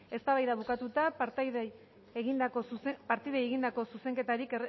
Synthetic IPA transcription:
e̞st̪aβajðaβukat̪ut̪apaɾt̪ð | eɣind̪akospaɾt̪iðajeɣind̪ako̞suse̞ŋke̞t̪aɾiker

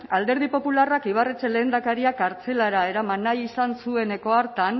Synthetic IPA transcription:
ald̪e̞ɾð̞ipo̞pularakiβ̞aret͡se̞le̞ːnd̪akaɾiakaɾt͡se̞laɾae̞ɾamanːajisansue̞ne̞ko̞aɾt̪an

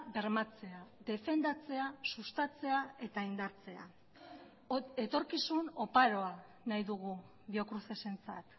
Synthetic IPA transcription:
be̞ɾmat͡se̞aðe̞fe̞nd̪at͡se̞asust̪at͡se̞ae̞t̪aind̪aɾt͡se̞a̰ | e̞t̪o̞ɾkisuno̞paɾo̞a | najðuɣu | βio̞kɾuθe̞se̞nt͡sa̰t̪

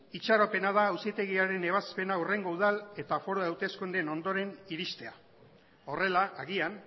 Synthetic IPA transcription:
it͡ʃaɾo̞pe̞nað̞aːwsit̪e̞ɣiaɾe̞ne̞β̞aspe̞naure̞ŋɡo̞uð̞ale̞t̪afo̞ɾoawt̪e̞skund̪e̞no̞nd̪o̞ɾe̞niɾist̪e̞a | o̞re̞laʔːɣian

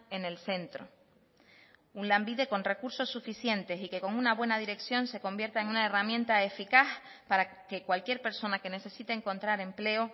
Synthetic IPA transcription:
e̞ne̞lse̞nt̪ɾo̞ | unlambiðe̞ko̞nre̞kuɾso̞sːufisje̞nt̪e̞sike̞ko̞ŋunaβwe̞naðiɾe̞ksjo̞nse̞ko̞mbje̞ɾt̪aeŋunae̞ramjẽnt̪ae̞fikaθ | paɾake̞kwalkje̞ɾpe̞ɾso̞nake̞ne̞se̞sit̪eːŋko̞nt̪ɾaɾe̞mple̞o

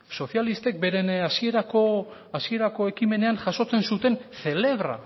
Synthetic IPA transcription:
so̞θjalist̪e̞k̚be̞ɾe̞nasie̞ɾako | asie̞ɾako̞e̞kime̞ne̞anʝaso̞t͡se̞nsut̪e̞nθe̞le̞βɾa̰

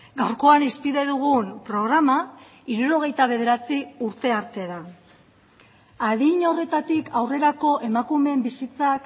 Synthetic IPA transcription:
ɡawɾko̞anispiðe̞ðuɣ̞unpɾo̞ɣɾama | iɾuɾo̞ɣ̞e̞jt̪aβ̞e̞ð̞e̞ɾat͡siuɾt̪e̞aɾt̪e̞ðan | aðiɲo̞re̞t̪at̪ikʰawre̞ɾako̞ʔe̞makume̞mbisit͡sak

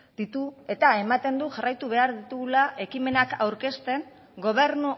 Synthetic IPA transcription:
d̪̥it̪ue̞t̪ae̞mat̪e̞nd̪uʝarajt̪uβe̞aɾðit̪uɣulaʔe̞kime̞nakawɾke̞st̪e̞ŋ | ɡo̞β̞e̞ɾnu

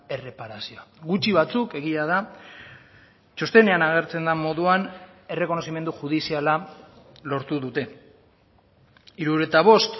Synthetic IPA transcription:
e̞re̞paɾasioaɡut͡ʃiβat͡suke̞ɣ̞iað̞a | t͡ʃost̪e̞ne̞anaɣ̞e̞ɾt͡se̞nd̪amo̞ðuan | e̞re̞ko̞no̞sime̞nd̪uxuð̞isiala | lo̞ɾt̪uðut̪e̞ | iɾuɾet̪aβ̞o̞st̪

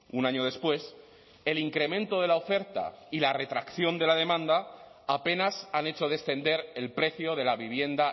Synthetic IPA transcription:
unaɲo̞ðe̞spwe̞s | e̞liŋkɾe̞mẽ̞nt̪o̞ð̞e̞lao̞fe̞ɾt̪a̰ilare̞t̪ɾakθjo̞nd̪e̞laðe̞mãnd̪aːpe̞nasane̞t͡ʃo̞ð̞e̞sθe̞nd̪e̞ɾe̞lpɾe̞θjo̞ðe̞laβiβ̞je̞nd̪a

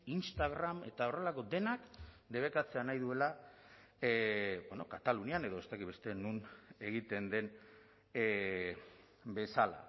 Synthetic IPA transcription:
inst̪aɣɾame̞t̪ao̞re̞lako̞d̪e̞nak | d̪e̞β̞e̞kat͡se̞anajðue̞la | bono̞̰kat̪aluniane̞ðo̞est̪akit̪βest̪e̞nune̞ɣ̞it̪e̞nd̪e̞n | be̞sala̰

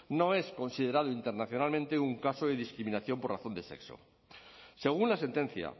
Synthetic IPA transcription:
no̞e̞sko̞nsiðe̞ɾað̞oint̪e̞ɾnaθjo̞nalmẽnt̪e̞uŋkasoðe̞ðiskɾimĩnaθjo̞mpo̞raθo̞nd̪e̞se̞̰kso̰ | se̞ɣ̞unlase̞nt̪e̞n̟θja̰

